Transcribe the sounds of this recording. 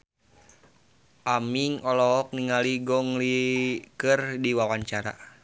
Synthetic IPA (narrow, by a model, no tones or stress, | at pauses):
ʔamiŋɔlɔɦɔk̚niŋaliɡɔŋlikɨrdiwawaɲt͡ʃaɾa̰